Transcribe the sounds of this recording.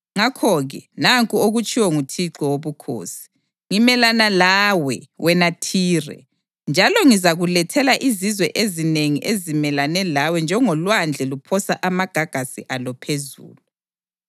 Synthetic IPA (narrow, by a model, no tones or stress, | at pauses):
ŋakʰɔɣɛnaŋkʼuoɣut͡ʃʼiwɔŋutʰiǃɔwoβukʰo̰ːsi̥ | ŋimɛlanalaːwɛwʔɛnatʰiːrɛ̰ | nd͡ʒʱalɔŋizaɣulɛtʰɛlaʔizizwɛʔezineŋiʔezimɛlanɛlawɛnd͡ʒʱɛŋɔlwand͡ɮʱɛlupʰɔsaʔamaɡ̥ʱaɡ̥ʱasḭʔalɔpʰezṵːlu